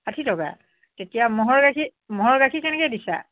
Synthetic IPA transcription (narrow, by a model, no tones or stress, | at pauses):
atʰitɔka̰ | tetijamɔɦɔɹɡakʰi | mɔɦɔɹɡakʰikɛnɛkɛjdisa̰